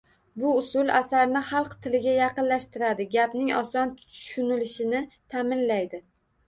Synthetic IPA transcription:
bʊʊsʊlˠasaɾnɪχɑlˠqt̪ʰɪlɪɡʲajɑqɨnlaʃt̪ɪɾad̪ɪɡʲapnɪŋɒ̰sɒnt̪ʰʊ̥ʃʊnɪlɪʃɪnɪt̪ʰamɪnlajd̪ɪ

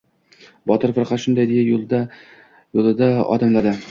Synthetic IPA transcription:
bɒt̪ʰɪɾfɨɾχat̪ʃʊnd̪ajd̪ɪjaold̪ | jolˠɪd̪aɒ̰d̪amlad̪ɪ

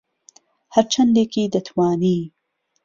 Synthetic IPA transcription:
haɾt͡ʃand̪ekid̪ɐt̪ʰwɑːniː

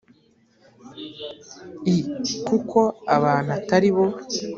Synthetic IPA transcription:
ikukʰo̞aβaːn̥hataɾiβo̞

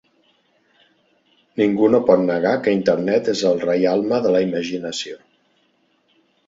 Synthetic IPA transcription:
niŋɡunopɔt̪nəɣ̞akəint̪əɾnɛt̪ezəlˠrɛjalˠməðələiməʒinəsio

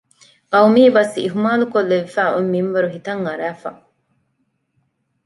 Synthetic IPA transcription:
qɐwmiːbɐsḭɦumaːlukolːeʋefæːʔumːimʋɐɾuɦit̪ɐŋːɐɾæːfɐ̰

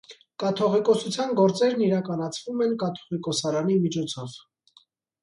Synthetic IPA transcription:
kɑt̪ʰɔʁikɔsut͡sʰjɑnɡɔɾt͡sɛɾniɾɑkɑnɑt͡sʰvumɛnkɑt̪ʰɔ̥ʁikɔsɑɾɑnimit͡ʃʰɔt͡sʰɔv̥

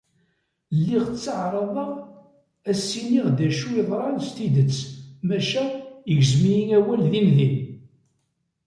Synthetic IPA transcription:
lːiʁt͡sːəʕɾˤɑðˤɑʁ | æsːiniʁd̪æʃuiðˤɾˤɑnst̪id̪ət͡sːmæʃæəʝzmijiŋæwælðinðin

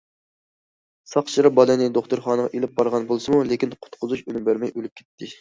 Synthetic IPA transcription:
sɑqt͡ʃʰɨɾɑbɑlˠɨnɪd̪oχt̪ʊɾχɑːnəʁɑʔelɪp̚bɑɾʁɑnbolˠɨsɨmulekʲinqʰʊ̥t̪qʰʊzuʃønymbæɾmɛjølyp̚kʲʰɛ̥t̪ʰːɪ

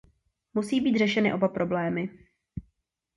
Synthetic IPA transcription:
musiːbiːt̪r̝ɛʃɛnɪʔo̞bapɾo̞blɛːmɪ

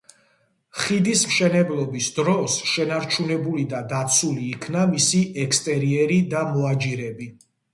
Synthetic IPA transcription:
χid̪ismʃɛnɛblˠɔbisd̪ɾɔsʃɛnaɾt͡ʃʰunɛbulid̪ad̪at̪sʰuliːkʰnamisiʔɛkst̪ʼɛɾiɛɾid̪amɔad͡ʒiɾɛbi

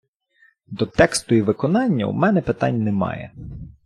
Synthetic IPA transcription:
d̪ɔt̪ɛkst̪ʊiʋɪkɔnɑnʲːɐ̰ṵmɛnɛpɪt̪ɑnʲnɛmɑ̰jɛ̰

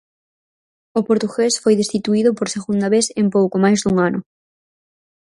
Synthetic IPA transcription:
opoɾt̪uɣesfojðest̪it̪uiðʊpoɾseɣund̪aβeθempowkomajzðuŋanʊ

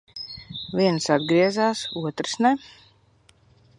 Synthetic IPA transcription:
vʲiɛnsad̪ɡɾiɛzaːsuɔt̪ɾsnɛ

